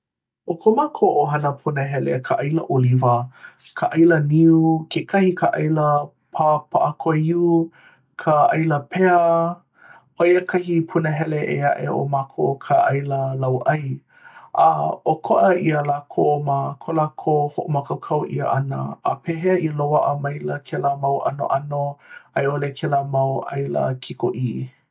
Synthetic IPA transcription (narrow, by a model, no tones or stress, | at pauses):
ʔokʰomakʰoʔoɦɐnəpʰunəɦɛlḛkʰəʔɐjlə̰ʔolivə | kʰəʔɐjləniukʰekʰɐhikʰaʔɐjlə | pʰapaʔakʰoiu | kʰəʔɐjləpʰeə | ojəkʰɐhipʰunəɦɛleʔeaʔḛo̰makʰokʰaʔɐjləlɐwʔɐj | ʔaokʰoʔəiəlaːkʰoːmakʰolakʰohoʔomakʰɐwkʰɐwʔḭə̰ʔɐnə̰ːpʰeɦeəʔiəlowaʔəmɐjləkʰɛləmawʔɐ̰no̰ʔɐnoɐjolekʰɛlamɐwʔa̰jlə̰kʰiko̰ʔi